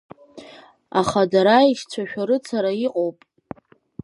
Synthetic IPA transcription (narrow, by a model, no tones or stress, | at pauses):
aχadaɾaiʃt͡sʷʰaʃᶣaɾɨt͡sʰaɾaiqʼowpʼ